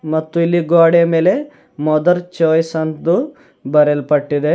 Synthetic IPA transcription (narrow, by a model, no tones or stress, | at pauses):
mɐt̪ːuilːiɡoːɽɛjɐmeːle̞ | mɔd̪ɐɾt͡ʃoːjsɐnt̪u | bɐɾelpɐʈːid̪e